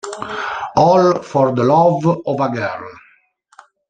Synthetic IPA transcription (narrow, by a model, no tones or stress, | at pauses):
ɔlfɔrd̪əlɔvɔvaɡɛr